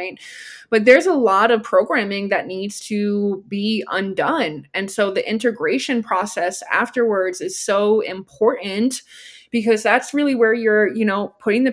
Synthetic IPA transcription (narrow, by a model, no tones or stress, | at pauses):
ɪ̃nb̥ʌt̪̚ðə˞zəlɔɾʌv̥pʰɹ̥oʊɡɹæ̃mɪ̃ŋðɨtⁿnidz̥tʰɨbiʌ̰̃ndʌ̃nɨ̃nsoʊðiʔɪ̃ntɨɡɹeɪʃɨ̃npʰɹ̥ɔsɛsæ̰ftə˞wə˞dzɨz̥soʊɪ̰̃mpʰɔɹʔn̩tb̥ɨkʌzðætsɹɪlˠiwə˞jə˞jɨñoʊpʰʊɾɪ̃ŋðɨ